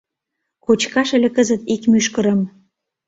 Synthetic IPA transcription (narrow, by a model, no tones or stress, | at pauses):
kot͡ɕkɑʃĕlʲĕkəzə̆t̪ikmyʃkə̆ɾə̆m